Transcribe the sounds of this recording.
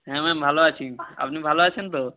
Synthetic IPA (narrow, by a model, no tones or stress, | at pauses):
ɦɛ̃mɛmbʱaloat͡ʃʰia̰pnibʱaloat͡ʃʰent̪o